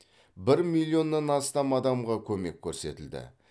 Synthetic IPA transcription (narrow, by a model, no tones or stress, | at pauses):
bɪɾmilʲˠːijo̞nːɑnɑst̪ɑmɑd̪ɑmʁɑkʲʰɵme̞kʲʰːɵɾse̞t̪ɪld̪ɪ̰